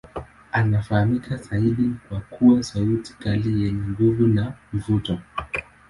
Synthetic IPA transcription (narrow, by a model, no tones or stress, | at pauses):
anafahamikʰazaiɗikwakʰuwasauti̥kalijɛɲɛŋɡuvunam̩vutɔ